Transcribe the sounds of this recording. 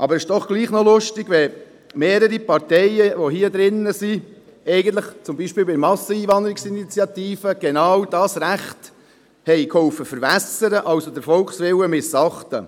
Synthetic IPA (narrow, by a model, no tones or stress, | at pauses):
ʔɑbəɾɪʃd̥ɔχɡ̥liːχnɔlʊʃtɪɡ̥ʋɛ | meːɾəɾipɑɾtɛɪəʋoɦiəd̪ɾɪnːəsi | ɛɪɡən̩t̪̬ləχt͡sʊmbiːʃpɪːlbɪmɑsəiːvɑnd̪əɾɪksinit͡sjɑt̪iːfəɡ̥enɑːwd̥ɑːsɾæχt | hɛɪkhɔwfəfəɾvæsəɾəʔɑwsod̪əɾfɔlkχsʋɪwəmɪsɑχtə